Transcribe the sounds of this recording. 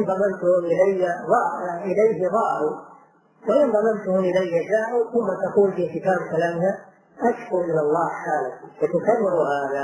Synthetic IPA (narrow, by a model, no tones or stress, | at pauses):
ʔɪnðˤɑmant̪ʊhʊmʔɪlajːaðˤɑʔɪlajɦɪðˤɑːʔʊ | waʔɪnðˤɑmant̪ʊhʊmʔɪlajːaʃaːʕʊθʊmːat̪aquːlfiːkɪt̪aːbkalaːmna | ʔaʃfʊɾmɪnɑlˤːɑːhħaːlafat̪ʊkarːɪɾʊhaːða